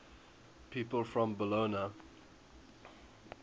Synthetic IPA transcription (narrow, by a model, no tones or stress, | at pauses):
pʰiːˑpəlˠfɹə̃mbəloːnə